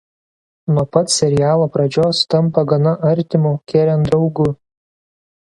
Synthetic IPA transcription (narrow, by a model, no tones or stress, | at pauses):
nuɔpɐt̪sʲɛɾʲɪjæːlˠoːpɾɐd͡ʒʲoːst̪ɐmpɐɡɐnɐʔɐɾʲt̪ʲɪmuːkʲeːɾʲɛnd̪ɾɒʊɡʊ